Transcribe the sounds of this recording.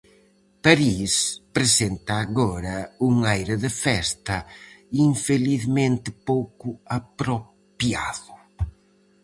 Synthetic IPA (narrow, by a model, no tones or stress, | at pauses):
paɾispɾesent̪ɐːɣɔɾɐuŋajɾɪðɪfɛst̪ɐiɱfeliθmẽnt̪ɪpowkʊapɾo | pjaðʊ